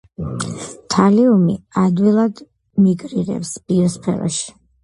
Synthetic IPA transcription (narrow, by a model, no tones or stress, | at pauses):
t̪ʰaliumiad̪wilˠad̪ | miɡɾiɾɛ̰psb̥iɔspʰɛ̰ɾɔ̰ʃi̥